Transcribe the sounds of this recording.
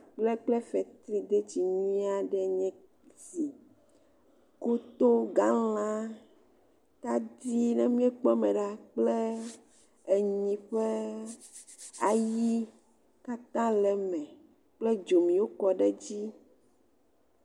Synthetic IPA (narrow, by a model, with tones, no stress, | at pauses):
k͡plɛ˦k͡plɛ˦fɛ˨t̪ɾi˦d̪e˦t͡ɕi˨ɲĩ˦a˨ɖɛ˨ɲɛ̃˦ | zi˨ | ko˦t̪o˦ɡa˦l̃ã˦ | t̪a˦d̪i˦nɛ˦mĩ˦ɛ˦k͡pɔ˦mɛ̃˨ɖa˦k͡ple˦ | e˨ɲĩ˨ɸe˦ | a˨ji˦ | ka˦t̪ã˦lɛ˨mɛ̃˨ | k͡ple˦d͡ʒo˨mĩ˨wo˦kɔ˨ɖɛ˦d͡ʑi˦